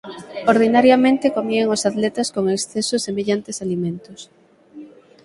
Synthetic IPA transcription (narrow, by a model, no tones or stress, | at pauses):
oɾð̞inaɾjamẽnt̪ekomieŋosat̪lɛt̪askoŋeksθesosemeʎant̪esalimẽnt̪ʊs